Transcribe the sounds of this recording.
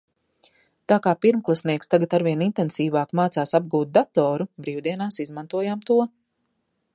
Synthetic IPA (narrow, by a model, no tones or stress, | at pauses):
t̪aːkaːpiɾmklˠasniɛkst̪aɡat̪aɾviɛnint̪ɛnsiːvaːkmaːt̪saːsab̚ɡuːt̪̚d̪at̪ɔːɾubɾiːwd̪iɛnaːsizmant̪uɔjamt̪uɔ